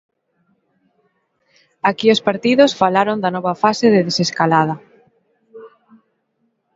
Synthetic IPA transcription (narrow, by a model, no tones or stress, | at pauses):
akiospaɾt̪iðosfalaɾond̪anɔβafaseðeðeseskalað̞ɐ